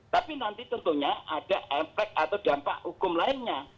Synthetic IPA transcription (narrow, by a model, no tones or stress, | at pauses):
t̪apinant̪it̪ɔnt̪uɲaʔad̥aʔɛpɾɛk̚at̪awdampa̰ʔhukʊmlaɪnɲa